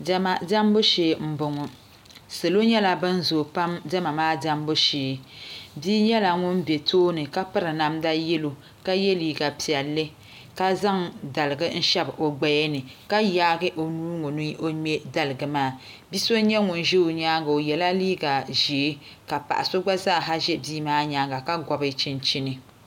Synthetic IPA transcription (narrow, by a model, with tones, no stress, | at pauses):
dɛ˦ma˨da˦mbo˦ʃe˨m̩˦˨bʊ˨ŋʊ˨ | sɨ˨lo˦ɲɛ˦la˨bɨ˦n˦zo˨pa˦mdɛ˦ma˨maː˦da˦mbo˦ʃeː˨˦biː˦ɲɛ˦la˨ŋʊ˦nbe˨toː˦nɨ˨ka˦pɨ˦ɾɨ˨na˨mda˦jɛ˦lo˨ | ka˦jɛ˦liː˨ɡa˨pi˨ɛ˨lːɨ˦ | ka˦za˦ŋda˨lɨ˨ɡɨ˦n̩˦ʃɛ˦bʔo˨ɡ͡ba˨jɛ˦nɨ˨ka˦ja˦ɡɨ˦ʔo˨nuː˦ŋo˨nɨ˦o˦ɲɛ˦da˦lɨ˨ɡɨ˨maː˦˨ | bi˦so˦ɲɛ˦ŋʊ˨n˨ʒe˦o˨ɲaː˦ɡa˨o˨jɛ˨la˦liː˦ɡa˨ʒe˨˦ | ka˨pa̰˨ʔa˨so˦ɡ͡ba˦zaː˦˨ɦa˦ʒɛ˦biː˦maː˦ɲaː˦ɡa˨ka˦ɡɔ˨bɨ˦t͡ʃi˦nt͡ʃi˦nɨ˨